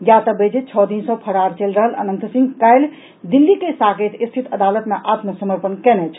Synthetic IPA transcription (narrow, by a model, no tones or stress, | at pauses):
jat̪əbed͡ʒit̪̚t͡ʃʰɔd̪insə̃pʰəɽaɾt͡ʃelɾəɦələ̰nənt̪sĩŋɡkajl | d̪ilːikesaɡet̪ʰist̪ʰit̪ʰəd̪alət̪meʔat̪məsəməɾpənkɛnɛt͡ʃʰ